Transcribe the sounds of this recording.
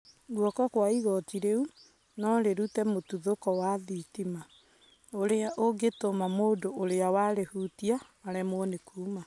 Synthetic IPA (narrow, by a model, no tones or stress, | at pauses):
ɡwɔkɔkwaiɣɔtiɾeu | nɔɾeɾutɛmotuðokɔwaðitima | oɾeaʔoɡetomamoːdoʔoɾeawaɾehutiaː | ɾɛmoɔnekʰuːma